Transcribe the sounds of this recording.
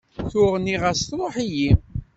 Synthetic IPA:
θʊʁniʁəsθɾˤoħiji

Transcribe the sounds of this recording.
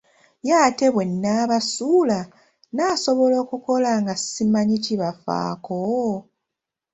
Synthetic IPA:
jaːte̞βwe̞nːaːβasuːla | naːso̞βo̞lo̞ːkuko̞laŋɡasimaɲiciβafa̰ːko

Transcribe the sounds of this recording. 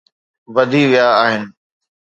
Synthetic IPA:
ʋɐd̪ʱiʋijaːɦɪnɪ̆

